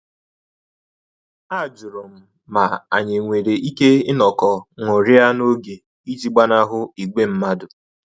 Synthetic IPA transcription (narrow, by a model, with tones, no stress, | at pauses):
a˦˨d͡ʒʊ˨ɾo˨m̩˨ | ma˨a̰˨ɲɪ˨ŋʷe˨ɾe˨ʔi˦ke˦ɪ˦nɔ˨kɔ˨ŋʷo˨ɾɪ˦a˦no˦ɡe˨ | i˦d͡ʒi˦ɡ͡ba˦na˦ɦʊ˦i˨ɡ͡be˦m̩˦ma˦dʊ˨